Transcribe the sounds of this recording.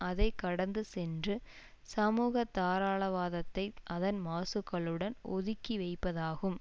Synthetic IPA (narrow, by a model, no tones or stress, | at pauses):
ʔɐðɐɪkːɐɽɐnd̪ɯsɛndrɯ | sɐmuːɣɐt̪ːaːɾaːɭɐʋaːðɐt̪ːɐɪʔɐðɐnmaːsɯkːɐɭɯɽɐnɔ̰ðɪkːiʋɐɪpːɐðaːɣɯm